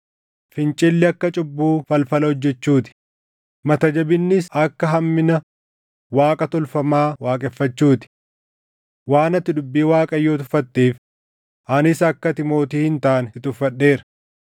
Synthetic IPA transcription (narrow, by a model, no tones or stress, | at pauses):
fɪnt͡ʃʼɪlːɪɐkːɐt͡ʃʼʊbːuːfɐlfɐlɐɔd͡ʒːɛt͡ʃːuːt̪ɪ̥ | mɐt̪ɐd͡ʒɐbɪnːɪsɐkːɐɦɐmːɪnɐ | waːkʼɐt̪ɔlfɐmaːwaːkʼɛfːɐt͡ʃːuːt̪ɪ̥ | waːnɐt̪ːɪd̪ʊbːiːwaːkʼɐjːoːt̪ʊfɐt̪ːeːf | ʔɐnɪsɐkːɐt̪ɪmo̞ːt̪iːhɪnt̪aːnɪt̪ʊfːɐɗːe̞ːɾɐ̥